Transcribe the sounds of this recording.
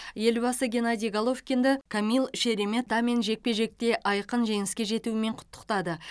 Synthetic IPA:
je̞lbɑsəɡʲe̞nad̪ijɡalˠo̞fkʲend̪ɪkʰamʲilˠʃe̞ɾeme̞t̪d̪ɑme̞nʒe̞k̚pe̞ʒe̞k̚t̪e̞ʔɑjqənʒe̞ŋɪskʲe̞ʒe̞t̪uɪme̞ɴqʰʊ̥t̪ːə̥qt̪ɑd̪ə

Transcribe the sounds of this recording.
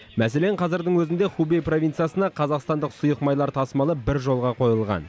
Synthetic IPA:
mæse̞le̞ɴqʰɑzɪɾd̪əɴwɵzɪnd̪e̞χubejpro̞vʲint̪sijasənɑqʰɑzɑqst̪ɑnd̪əqsʊjəqmɑjlˠɑɾt̪ʰɑsmɑlˠəbɪɾʒo̞lˠʁɑqʰo̞jəlˠʁɑ̰n

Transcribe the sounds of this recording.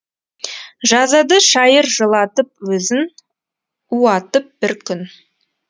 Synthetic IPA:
ʒɑzɑd̪əʃɑjəɾʒəlˠɑt̪əp̚wɵzɪn | uɑt̪əp̚b̥ɪɾkʲʰʏn

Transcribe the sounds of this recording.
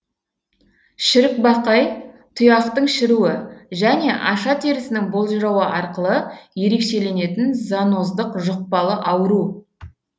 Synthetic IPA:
ʃɪɾɪk̚bɑqɑjt̪ʰʊjɑqt̪əɴʃɪɾuɪʒæne̞ʔɑʃɑt̪ʰeɾɪsɪnɪŋbo̞lˠʒɾɑwəʔɑɾqəlˠəje̞ɾe̞kʃe̞le̞ne̞t̪ɪnzɑno̞zd̪əqʒʊq̚pɑlˠəʔɑwəɾu

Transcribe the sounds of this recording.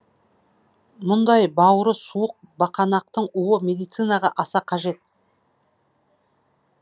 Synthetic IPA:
mʊnd̪ɑjbɑwəɾəsuəq̚bɑqɑnɑq̚t̪əɴuwəmʲe̞d̪ijt̪sɨnɑʁɑʔɑsɑqʰɑʒe̞t̪̚

